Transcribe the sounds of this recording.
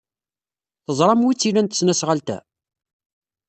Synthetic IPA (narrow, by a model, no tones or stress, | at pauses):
θəzˤɾˤɑmwit͡sːilænt̪ə̥snæsʁəlt̪æ̰